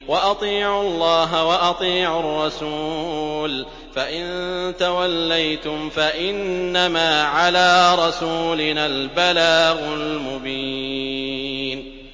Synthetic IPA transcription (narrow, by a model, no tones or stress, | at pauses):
waʔɑt̪ˤiːʕʊlˤːɑːɦawɑʔɑt̪ˤiːʕʊrˤːɑsuːl | faʔɪnt̪awalːajt̪ʊmfaʔɪnːamaːʕalaːɾˤɑsuːlɪnaːlbalaːɣʊlmʊbiː | n